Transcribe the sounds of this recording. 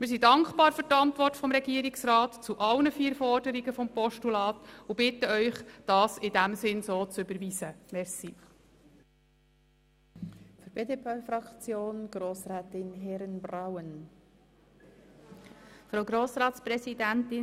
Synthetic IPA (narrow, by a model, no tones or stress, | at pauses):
mɪɾs̬idɑŋkbɑːɾfʏɾtɑntʋɔrtfɔmɾɛɡ̥iəɾɪksrɑːtt͡suʔɑlnəfiːɾfɔrdəɾiɡəfɔmpɔʃtulɑːtʊbɪtːəœʏχd̥ɑːsɪdæmsɪnsoːt͡sʏbəɾʋiːsəmɛɾsi | fyɾb̥eːdepʰefɾɑkt͡sjoːnɡ̥ɾoːsɾɛːtɪnɦɛɾnbrawən | fɾaʊɡɾoːsɾɑːtspɾɛsidæntɪ